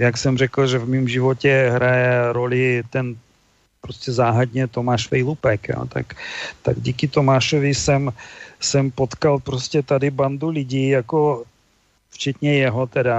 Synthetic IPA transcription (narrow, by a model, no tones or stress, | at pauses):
jaksɛmr̝ɛkl̩ʒɛvmiːmʒɪvocɛɦɾajɛɾolɪt̪ɛn | pɾoscɛzaːɦad̪ɲɛt̪o̞maːʃfɛjlupɛkjo̰t̪a̰kt̪a̰ɡɟiːkɪt̪omaːʃovɪsɛmsɛmpot̪kalpɾoscɛt̪adɪband̪ulɪɟiːjako | ft͡ʃɛt̪ɲɛjɛɦot̪ɛda